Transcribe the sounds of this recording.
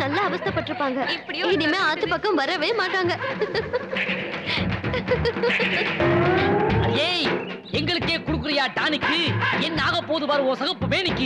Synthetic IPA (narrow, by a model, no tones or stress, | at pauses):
nɐlːaɐʋɐst̪ɐpːɐʈːɪɾɯpːaːŋɡɐnɪmeːaːt͡ʃːɯpːɐkːɐmʋɐɾːɐʋeːmaːʈːaːŋɡɐ | ɐjeː | ɛŋɡɐɭɯkːeːkɔɽɯkːɯɾɐjaːʈ̪aːnɯkːɯɛnːaːɣɐpːoːðɯʋaːɾɯoːsɐɣɐpːɯmeːnɪkːɯ